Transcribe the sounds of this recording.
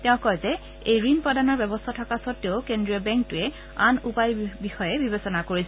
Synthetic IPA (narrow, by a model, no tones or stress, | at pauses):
tɛ̃ʊ̃kɔjzɛ | ejɹinpɹɔdanɔɹbɛbɔstʰatʰɔkasɔtːeʊkendɹiɔbɛŋk̚tʊɛ | anupajbixɔjɛbibesɔnakoɹis